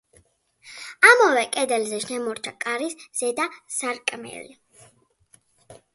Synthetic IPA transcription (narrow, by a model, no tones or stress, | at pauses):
amɔvɛkʼɛd̪ɛlzɛʃnɛmɔɾt͡ʃʰakʼaɾisz̥ɛd̪asaɾkʼmɛ̰li